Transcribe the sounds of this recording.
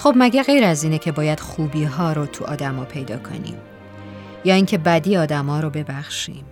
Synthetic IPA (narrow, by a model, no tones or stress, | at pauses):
xobmæɟæɣe̞jɾæziːnecʰe̞bɒːjæd̪̥xuːbiːɦɒːɾot̪ʰuʔɒ̰ːd̪æmɒːpʰe̞jd̪ɒːkʰo̞̰nḭːm | jɒːiːŋcʰe̞bæd̪iːɒːd̪æmɒːɾobe̞bæxʃḭːm